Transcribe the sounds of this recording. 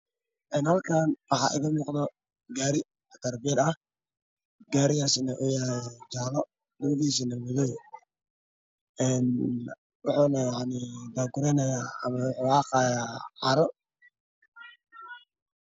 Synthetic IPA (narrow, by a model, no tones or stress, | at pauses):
ʔɛːnhɐlkʰaːnwɑħɑ̰ʔɪ̰ɣɐmuːqd̪ɔ | ɡaːɾɪ | t̪ɐrbiɛd̪ɐh | ɡaːɾɪjaːsɪnɛʔʊjaɾɛd͡ʒaːlɔ | lɐwɐðiːs̬ɪnɐmʊðɔ | ʔɛːn | wɑħuːnɐjɑʕnɪd̪aːɡʊɾɛnɐjaːɐmɐwʊħuːaːqɑːjaːʕɑɾɔ